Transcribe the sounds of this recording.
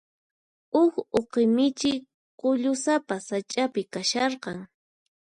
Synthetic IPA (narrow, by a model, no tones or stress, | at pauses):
ʊkoqɪmɪt͡ʃɪ | qʊʎʊsapasat͡ʃʼapɪkaʃɑɾqɑŋ